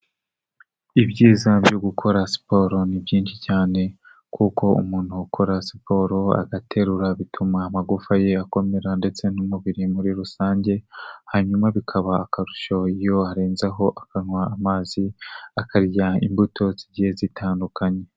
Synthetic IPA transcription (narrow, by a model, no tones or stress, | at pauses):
iβɟiːzaɟoɡukʰo̞ɾasi̥po̞ɾo̞nibjiːnʃicaːne̞ | kʰuko̞ṵmuːn̥huːkʰo̞ɾasi̥po̞ɾo̞a̰ɡatʰe̞ɾuɾaβitʰumaːmaɡufaje̞ako̞me̞ɾande̞t͡se̞numuβiɾimuɾiɾusaːɲɟe̞haɲumaβikʰaβaːkaɾuʃoijo̞aɾeːnzaɦo̞ʔakaŋwaːmaːziakʰaɾɟaḭmbutʰo̞ziɟihe̞zitʰaːndukaɲe